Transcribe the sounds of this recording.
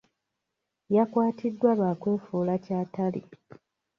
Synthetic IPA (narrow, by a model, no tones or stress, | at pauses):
jakwaːtʰidːwalaːkwe̞ːfuːlacaːtalḭ